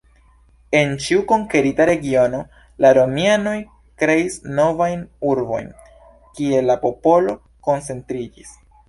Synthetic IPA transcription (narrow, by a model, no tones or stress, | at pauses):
e̞nt͡ʃiuko̞ŋke̞ɾitaɾe̞ɡio̞no̞ | laɾo̞miano̞j | kɾe̞isno̞vajnuɾbo̞̰jn | kie̞lapo̞po̞lo̞ | ko̞nt͡se̞ntɾid͡ʒis